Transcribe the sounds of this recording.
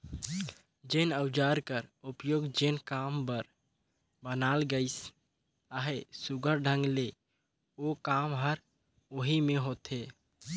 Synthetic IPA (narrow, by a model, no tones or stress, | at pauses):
d͡ʒenəʊd͡ʒaːɾkəɾʊpjoːɡd͡ʒenkaːmbəɾ | bənaːlɡəɪs | aɦesʊɡʱəɾɖʱə̃ŋɡle | okaːmɦəɾ | oɦimẽɦot̪ɦeː